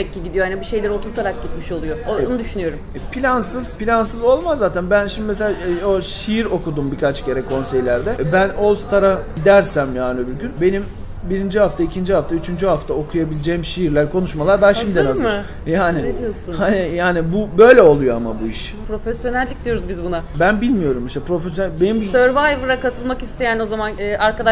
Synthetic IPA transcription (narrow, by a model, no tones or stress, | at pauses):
ɛcːiɟid̪ijoanibiʃe̞jlʲeɾiot̪ʰuɾt̪ʰaɾak̚ɟit̪miʃo̞lˠujoonud̪yʃynyjo̞ɾumɛpʰilʲansɯz̥pʰilʲansɯzo̞lˠmazːaːt̪ʰænbænʃimd̪imeseaːoʃijiɾo̞kud̪umbikʰat͡ʃcʰe̞ɾɛkʰo̞nse̞jlʲæɾd̪ɛbæno̞lˠst̪ʰaɾaɟ̥id̪æɾsæmjaːnibiɾɟynbe̞nim | biɾind͡ʒihaft̪ʰaicʰind͡ʒihaft̪ayt͡ʃʰynd͡ʒyɦaft̪ʰao̞kʰujabilʲed͡ʒejmʃijiɾlʲæɾkʰo̞nuʃmalˠaɾd̪aɦaʃimid̪ɛnazɯɾ | jaːnɪed̪ijosunhanijaːnibubø̞jlʲɛolˠujoamabuiʃ | pɾo̞fesjonælʲːic̚d̪ijo̞ɾuzbizbunabænbilʲmijo̞ɾumiʃt̪ɛpɾo̞fesjonæbenimsøɾvajvɯɾakat̪ʰɯlˠmakist̪ʰejæno̞zamanːʔaɾkad̪a